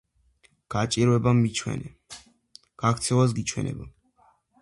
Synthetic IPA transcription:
ɡ̥at͡ʃʼiɾwɛbamːit͡ʃʰwɛ̰nɛ | ɡ̥akʰt̪sʰɛvas̬ɡit͡ʃʰwɛ̰nɛ̰ba

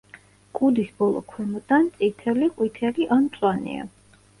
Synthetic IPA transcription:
kʼud̪isbɔlˠɔ̰kʰwɛmɔd̪ant̪sʼit̪ʰɛliqʼwit̪ʰɛliʔant̪sʼwanḭa̰

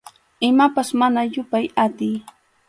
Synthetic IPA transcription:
ɪmapasmanajʊpajat̪ɪj

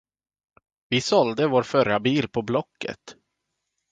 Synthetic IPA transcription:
vɪsɔld̪əvoːɾfœɾabiːlpʰɔblɔkːə̰t̪

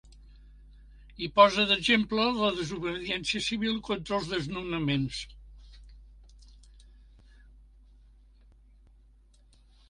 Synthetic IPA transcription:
ipɔzəðəʒemplələðəzuβəðiɛnsiəsiβilˠkont̪ɾəlˠzðəznunəmens

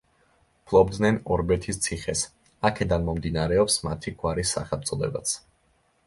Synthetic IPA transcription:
pʰlˠɔbd̪nɛnɔɾbɛt̪ʰist̪sʰiχɛs | akʰɛd̪anmɔmd̪inaɾɛɔpsmat̪ʰiɡwaɾisːa̰χɛt̪sʼɔlɛ̰ba̰t̪sʰ

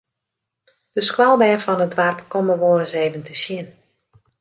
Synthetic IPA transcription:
d̥əskwalˠbɛfɔnədʋarpkoməʋoːɾəseːvəntəsjɪn

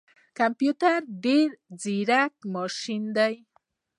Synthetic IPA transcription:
kampjut̪aɾɖeɾd͡ziɾakmɔʃind̪aj

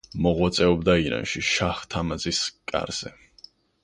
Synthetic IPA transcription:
mɔʁwat̪sʼɛɔbd̪aiɾa̰nʃiʃaχt̪ʰamaziskʼa̰ɾz̥ɛ̰

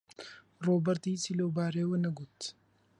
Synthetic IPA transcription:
ɾoːbɐɾt̪iːsɪloːbaːɾeːwɐnɐɡʊt̪ː

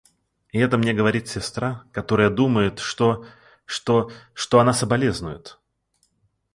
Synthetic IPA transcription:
ɪɛt̪əmnʲeɡəvɐɾʲit̪sʲɪst̪ɾakɐt̪o̞ɾəjəd̪uməjɪt̪ʂt̪o | ʂt̪oʂt̪oɐnasəbɐlʲeznʊjɪt̪

